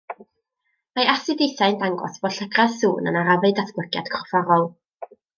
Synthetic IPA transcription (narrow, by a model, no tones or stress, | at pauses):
majasɨdejθaɨndaŋɡɔ̰sb̥ɔɬəɡraðsuːnə̰naɾavɨɨdaθblˠəɡja̰d̥kʰrɔ̥faɾɔlˠ